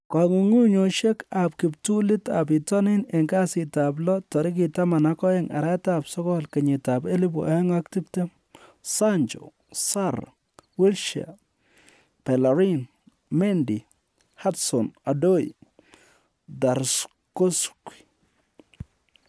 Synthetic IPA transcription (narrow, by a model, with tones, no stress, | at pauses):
ka˨ŋu˨ŋu˦ɲo˨ʃe˦kap̚kɪptu˦lɪ˦ta˨p̬i˨tɔ˦nɪ˦ne˨ŋɡa˦sɪtap̬lɔ˦tɔ˨ɾi˦k̬i˨tama˨na˦kɔ˦jɛ˦ŋʔa̰˨ɾɛ˦tapsɔ˦kɔ˦lke˨ɲɪ˨tape˦li˦bṵ˨ʔa˨ɛ˦ŋak̚ti˦pte˦ | saɲt͡ʃo̰ | saɾ | wi˦lʃa̰˨ | pe˨la˨ɾin | mɛ˦ndi˨ | ha˦tsɔ˨na˨do˦j | da˨ɾs | ko˦ski̥